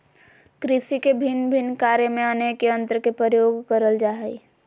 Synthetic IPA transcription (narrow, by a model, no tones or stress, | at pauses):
kɾɪsikebʱɪnbʱɪnkaːɾjemẽənekeə̃nt̪ɾkepɾəjoːɡkəɾəld͡ʒaːɦɛi